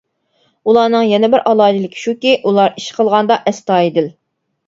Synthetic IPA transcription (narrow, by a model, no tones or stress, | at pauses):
ulˠɑːnɨŋjɛnɪbɪɾʔɑlˠɑːd͡ʒilɪkʲʰi̥ʃukʲiʔulˠɑɾiʃqʰəlˠʁɑnd̪ɑʔɛst̪ɑːed̪ɪl